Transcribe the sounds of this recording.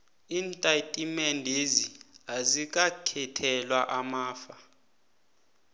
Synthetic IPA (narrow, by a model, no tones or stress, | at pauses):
iːntʼatʼimɛndʱeziazik̬ʼakʰɛtʰɛlwaʔamaːfa